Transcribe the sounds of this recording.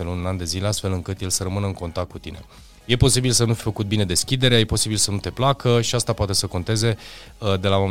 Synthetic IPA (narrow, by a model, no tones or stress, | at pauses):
elununand̪e̞zileast̪fe̞lɨŋkɨt̪je̞lsəɾəmɨnəɨŋko̞nt̪akt̪kut̪ine̞̰ | je̞po̞sibilsənufi̥fəkut̪̚bine̞d̪e̞skʲid̪e̞ɾeaje̞po̞sibilsənut̪e̞plakəʃiast̪apoat̪e̞səko̞nt̪e̞ze̞ | d̪e̞laam